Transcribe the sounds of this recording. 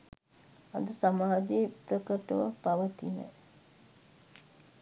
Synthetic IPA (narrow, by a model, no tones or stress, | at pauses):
ad̪əsamaːd͡ʒeprəkəʈəʋəpaʋət̪inə̰